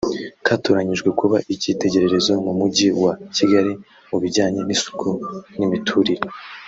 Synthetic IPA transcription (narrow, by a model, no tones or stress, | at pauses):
kʰatoɾaɲiʒɡwe̞kuβaʔicite̞ɟe̞ɾe̞ɾe̞zo̞mumuɟiwaciɡaɾi | muβiɾɟaːɲe̞nisu̥kʰunimitʰuɾiɾe